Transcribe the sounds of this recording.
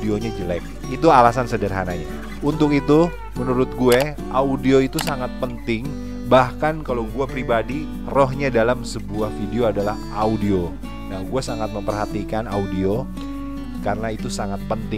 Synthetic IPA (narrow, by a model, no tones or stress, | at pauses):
deoɲad͡ʒəlak | it̪ualasansədərɦanaɲa | unt̪ʊk̬it̪u | mənuɾʊt̪̚ɡuɛ | ʔaudioit̪usaŋat̪̚pənt̪ɪŋ | bahkankalawɡuapɾibadi | roɦɲadalamsəbuahfideoadalah | audio | nahɡuɛsaŋat̪̚məmpərɦat̪ikanaudio | karənait̪usaŋat̪̚pənt̪ɪ